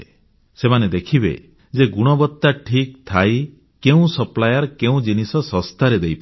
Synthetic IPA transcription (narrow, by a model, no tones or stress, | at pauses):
semaned̪ekʰibḛ | d͡ʒeɡuɽ̃ɔbɔt̪ːaʈʰik̚t̪ʰaj | keũsɔplajaɾɔkeũd͡ʒinisɔsɔst̪ʰaɾed̪ejpa